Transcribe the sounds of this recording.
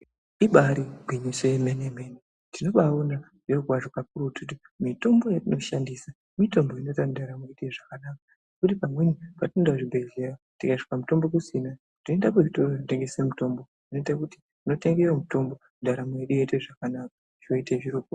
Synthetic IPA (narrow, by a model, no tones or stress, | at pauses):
iɓaɾiɡʱiɲusojemenemene | tino̞ɓauna | ʐeɡʱwaʐokapuɾututi | mito̞mbo̞jatino̞ʃandisa | mito̞mbo̞ino̞tandaɾamoeɗeʐakanaka | nekutipamwe̞nipatinedaʐibʱe̞ɮerotikaiʐi̥kamuto̞mbo̞k̬usina | tino̞endakeʐitonoteŋɡe̞semuto̞mbotino̞itakuti̥ | tino̞te̞ŋɡewomuto̞mbo̞ | ndʱaɾamojeɗujeteʐakanakḁ | oiteʐiɾuːko